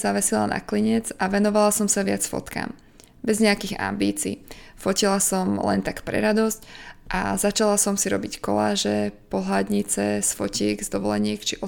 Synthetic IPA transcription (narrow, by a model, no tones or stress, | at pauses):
zaʋɛsila̰na̰kliɲɛd͡zaʋɛnɔʋalasɔmsaʋɪat͡sfɔ̰t̪ka̰ːm | bɛzɲɛakiɣa̰mbiːt͡siːfɔcilasɔmlɛ̰nt̪akpɾɛ̰ɾad̪ɔscʔa̰zat͡ʃalasɔmsiɾɔ̰bickɔ̰laːʒɛpɔɦlad̪ɲit͡sɛsfɔciɛɡzd̪ɔʋɔlɛɲɪɛkt͡ʃiʔɔ